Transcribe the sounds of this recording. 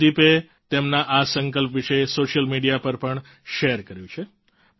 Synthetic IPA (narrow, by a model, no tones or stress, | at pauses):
ipe | t̪emnaʔasəŋkəlpʋiʃesoʃəlmiɖijapəɾpəɳ | ʃeəɾkəɾjũt͡ʃʰe